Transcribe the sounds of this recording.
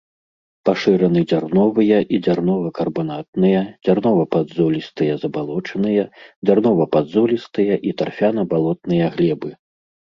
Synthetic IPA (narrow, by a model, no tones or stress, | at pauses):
paʂɨɾɐnɨd͡zʲarnɔvɨjɐʔid͡zʲarnɔvɐkɐrbanat̪̚nɨjɐd͡zʲarnɔvɐpad̪zɔlʲist̪ɨjɐzɐbalˠɔt͡ʂɐnɨjɐd͡zʲarnɔvɐpad̪zulʲist̪ɨjɐʔit̪arfʲanɐbalˠɔt̪̚nɨjɐɣlʲɛbɨ